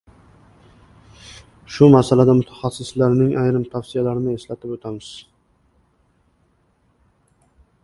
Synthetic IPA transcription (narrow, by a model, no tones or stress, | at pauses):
ʃʊmasalad̪amʊt̪ʰḁχasːɪslaɾnɪŋajɾɪmt̪ʰafsɪjalaɾɪnɪe̞slat̪ʰɪpot̪ʰamɪz̥